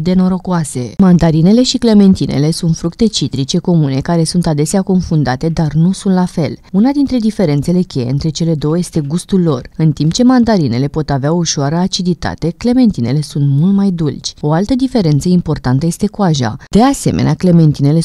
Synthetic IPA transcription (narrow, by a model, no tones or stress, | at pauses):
d̪eno̞ɾo̞kuase̞mand̪aɾine̞le̞ʃikle̞me̞nt̪inʔe̞̰le̞sunt̪fɾukt̪e̞t͡ʃit̪ɾit͡ʃe̞ko̞mune̞kaɾe̞sunt̪ad̪e̞seako̞nfund̪at̪e̞d̪arnusunt̪lafe̞lunad̪int̪ɾe̞d̪ife̞ɾe̞nt̪se̞le̞kʲe̞je̞ɨnt̪ɾe̞t͡ʃe̞le̞d̪o̞wəje̞st̪e̞ɡust̪ulːo̞rɨnt̪imp̚t͡ʃe̞mand̪aɾine̞le̞po̞t̪aveaouʃoaɾəat͡ʃid̪it̪a̰t̪e̞kle̞me̞nt̪ine̞̰le̞sunt̪mult̪majd̪ult͡ʃʲo̞alt̪əd̪ife̞ɾe̞nt̪səimpo̞rt̪ant̪əjest̪e̞kuaʒa̰d̪̥e̞ase̞̰meneakle̞me̞nt̪ine̞le̞